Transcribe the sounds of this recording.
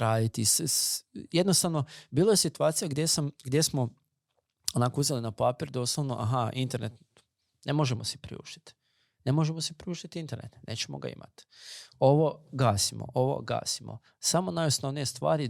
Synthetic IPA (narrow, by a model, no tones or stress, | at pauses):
ɾaːjit̪is | jed̪no̞st̪aʋno̞biːlˠoje̞sit̪uaːt̪sijaɡd̪jesamɡd̪je̞smo̞ | onaːkouzelinapapiːɾd̪o̞ːslˠoʋnoʔa̰ɦaint̪eɾnet̪ | nʔemo̞ʒemose̥pɾḭṵːʃt̪i̥t̪ | ne̞moʒemosepɾiuːʃt̪it̪int̪e̞ɾnḛt̪nʔe̞̰ːt͡ɕemo̰ɡa̰ḭmʔa̰t̪o̞ʋoɡaːsimo̰ʔoʋo̰ɡa̰ːsimo̰ | samonajosnoʋnijest̪ʋa̰ːɾi